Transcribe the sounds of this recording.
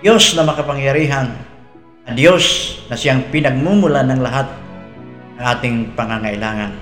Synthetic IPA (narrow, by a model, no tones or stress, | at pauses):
osnɐmɐkɐpaŋjaɾiːɦaŋ | ɐd̪josnɐsɪaŋpɪnɐɡ̚mumʊlanɐŋlaɦat̪̚nɐŋʔaːt̪ɪŋpɐŋaŋaʔɪlaːŋan